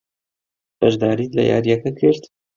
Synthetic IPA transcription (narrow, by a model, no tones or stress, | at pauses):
b̥ɐʒd̪aːɾiːt̪lɐ̰jʔa̰ːɾjɛkɐkʰɨɾt̪